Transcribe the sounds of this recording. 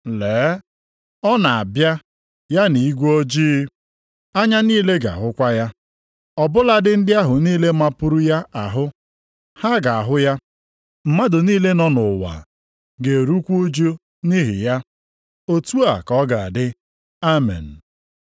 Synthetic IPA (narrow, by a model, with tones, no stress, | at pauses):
lɛː˨˦ | ɔ˦na˨a˨bja˦ | ja˦ni˨i˦ɡʷo˦d͡ʒiː˦ | a˦ɲa˦niː˦le˦ɡa̰˨ɦʊ˦kʷa˦ja˦ | ɔ˨bʊ˦la˦dɪ˦n̩˦dɪ˦a˦ɦʊ˨niː˦le˦ma˦pʊ˦ɾu˦ja˦ʔa˨ɦʊ˦ | ha˦ɡa˨a˨ɦʊ˦ja˦ | m̩˨ma˦dʊ˨niː˦le˦nɔ˦nʊ˨wa̰˨ | ɡe˨ɾu˦kʷo˦d͡ʒo˦ | ni˦ɦɪ̰˨ja˦ | o˦tu˦a˨kɔ˦ɡa˨a˨dɪ˦ | a˦mḛ˨n̩˨